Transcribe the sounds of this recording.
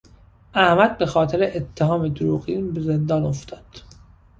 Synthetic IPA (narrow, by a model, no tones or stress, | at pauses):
ʔæhmæd̪̚be̞xɒːt̪ʰeɾeʔet̪ʰːeɦɒːmed̪oɾuːɣinbeze̞nd̪ɒːnoft̪ʰɒːd̪̥